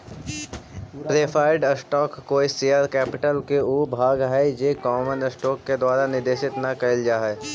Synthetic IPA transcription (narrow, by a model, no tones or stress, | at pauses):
pɾeːpʰaːɪɖəsʈɔːkːoːiseːəɾkɛːpɪʈəlkeuːbʱaːɡɦɛd͡ʒeːkɔːmənəsʈɔːkːed̪waːɾanɪd̪eːʃɪt̪nɐkɐɪld͡ʒaːɦɛː